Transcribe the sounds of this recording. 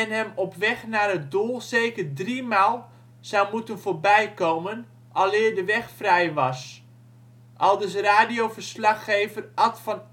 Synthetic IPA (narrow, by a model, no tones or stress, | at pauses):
ɛnɦɛmɔpʋɛχnarət̚dulˠseːkərdrimaːlˠ | sawmutənvoːɹbɛjkowmən | ʔɑlˠɪːrdəʋɛxfrɛjʋɑs | ʔɑlˠdəsraːdijowvərslɑxejvərʔɑtfɔn